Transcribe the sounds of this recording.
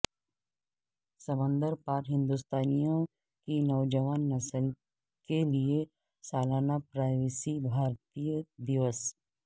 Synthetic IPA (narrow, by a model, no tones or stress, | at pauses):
səbə̃nd̪əɾpaːɾɦɪ̃nd̪ust̪aːnijõ | kinɐʊd͡ʒəʋaːnːɐsəl | kelie | saːlaːnapɾaːɪʋɪsibʱaːɾt̪ijəd̪ɪʋəs